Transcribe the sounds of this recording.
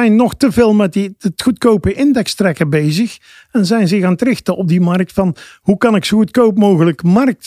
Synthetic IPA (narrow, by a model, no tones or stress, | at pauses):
ɛjnːɔxtəveːlˠmɛt̚iətxutkowpəʔɪndɛkstrɛkəbejzəx | ɛnzɛjnzɪxaːnətrɪxtəʔɔb̚dimɑrk̚tfɑnɦukɑnɪksoutkowpmoːɣələkmɑrk̚t